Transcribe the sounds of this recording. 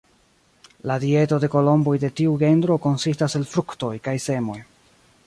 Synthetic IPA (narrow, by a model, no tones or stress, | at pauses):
ladie̞to̞de̞ko̞lo̞mbo̞jde̞tiuɡe̞ndɾo̞ko̞nsistase̞lfɾukto̞jkajse̞mo̞j